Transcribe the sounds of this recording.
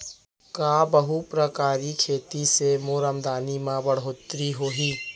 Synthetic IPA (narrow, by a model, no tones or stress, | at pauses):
kaːbəɦupɾəkaːɾikʰeːt̪isemoːɾəmd̪aːnimãbəɽ̤ɦoːt̪ɾiɦoːɦiː